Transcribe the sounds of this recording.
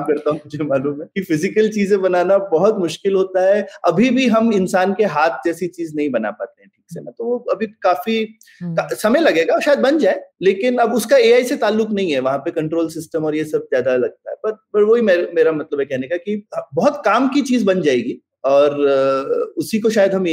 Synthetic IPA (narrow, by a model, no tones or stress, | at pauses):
apkɐɾt̪aɦũmʊd͡ʒʱemaːluːmɦɛkifɪzɪkəlt͡ʃiːzẽbɐnaːnabɐɦʊt̪mʊʃkɪlɦoːt̪aɦɛɐbʱibʱiɦɐmɪnsaːnkeɦaːt̪̚ʰd͡ʒɛːsit͡ʃiːznɐɦĩbɐna̰pa̰ːt̪eɦɛ̃ʈʰiːksemẽt̪oʋoɐbʱikaːfi | kasɐməjlɐɡeːɡaɔːɾʃaːjəd̪̚bɐnd͡ʒaːeleːkɪnɐbʊskaeːaːiset̪aːlːʊknɐɦĩɦɛʋɐɦãpekɐ̃ɳʈɾoːlsɪsʈəmɔːɾjesɐb̚zjaːd̪alɐɡ̚t̪aɦɛpɐɾpɐɾʋoɦimeːɾmeːɾamɐt̪ləbekɛɦnekakibɐɦʊt̪kaːmkit͡ʃiːzbɐnd͡ʒaːeːɡiː | ɔːɾ | ʊsikoʃaːjəd̪ɦɐm